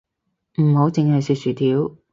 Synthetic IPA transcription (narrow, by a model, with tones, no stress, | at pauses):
m̩˨˩ho˨˥wt͡sɪ˨˧ŋhɐ˨jsyː˧t̚syː˨˩t̪ʰiː˨˥w